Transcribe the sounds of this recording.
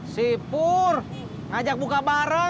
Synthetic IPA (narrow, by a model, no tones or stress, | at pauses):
sipur | ad͡ʒak̚bukabaɾə